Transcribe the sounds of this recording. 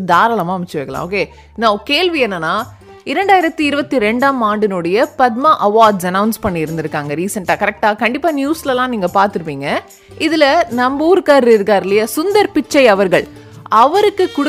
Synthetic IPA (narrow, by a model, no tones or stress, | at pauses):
d̪aːɾɐlɐmaːɐmɪt͡ʃːɯʋɐːkːɐlã̰oːkeː | nɐkeːɭʋiɛnːɐnːaː | ɪɾɐɳɖaːjɪɾɐt̪ːɯɪɾɯbɐt̪ːiɾɛɳɖaːmaːɳɖɯnoɽɐjɐpɐd̪̚maʔɐʋaːɾɖsɐnɐʊnspɐɳːɪɪɾɯnd̪ɯɾɯkːaːŋɡɐɾiːsɐɳʈaːkɐɾɛk̚ʈaːkɐɳɖɪpːaːnjuːslɐlãːniːŋɡɐpaːɾt̪ɯɾɯpːiːŋɡɐ | ɪðɪlɐnɐmbuːɾkaːɾɾɪɾɯkaːɾɪlɐjɐsʊnd̪ɐɾpɪt͡ʃːɐɪɐʋɐɾɣɐɭ | ɐʋɐɾɯkːɯkːʊɽ